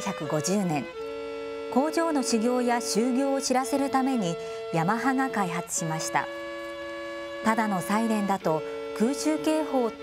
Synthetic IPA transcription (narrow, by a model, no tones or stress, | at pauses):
çʲakɯ̟ɡo̞ʑɨːnẽ̞ŋ | ko̞ːʑo̞ːno̞ɕiɡʲo̞ːjaɕɨːɡʲo̞ːoɕiɾase̞ɾɯ̟t̪ame̞ɲ̟i | jamaɦaŋakaiɦat͡sɨ̥ɕimaɕi̥t̪a̰ | t̪ad̪ano̞sainẽ̞nd̪at̪o̞ | kɯ̟ːɕɨːke̞ːho̞ː